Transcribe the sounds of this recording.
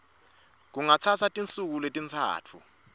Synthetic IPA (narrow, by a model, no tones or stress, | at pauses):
k̬uŋat͡sʰat͡sʰatʼint͡sʼuk̬uletʼint͡sʰa̰ːt͡fʰu